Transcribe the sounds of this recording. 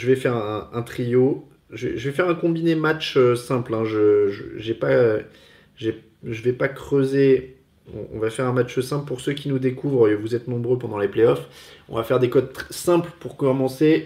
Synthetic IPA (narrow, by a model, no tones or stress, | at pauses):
ʒəvɛfɛʁɛɛ̃ɛ̃t̪χijo | ʒəvɛ̰ʒəvɛfɛʁɛ̃kɔ̃binemat͡ʃøsɛ̃plɛ̃ʒəʒəʒɛpa | ʒɛ | ʒəvɛpakχøze | ɔ̰̃ɔ̰̃vafɛʁɛ̃mat͡ʃsɛ̃plpuʁsøkʲinud̪ekuvʁvuzɛt̪nɔ̃bʁøpɑ̃d̪ɑ̃lepleɔfɔ̰̃vafɛʁd̪ekɔd̪sɛ̃plpuʁkɔmɑ̃se